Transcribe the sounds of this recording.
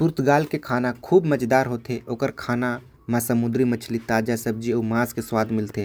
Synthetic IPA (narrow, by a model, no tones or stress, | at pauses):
pʊɾt̪ʰɡaːlkekʰaːnakʰuːbmət͡ʃd̪aːɾɦoːt̪ʰeʔoːkəɾkʰaːna | mãsɐmʊd̪ɾimɐt͡ʃʰlit̪aːd͡ʒasɐb̚d͡ʒioːmãːzkeswaːd̪mɪlt̪eː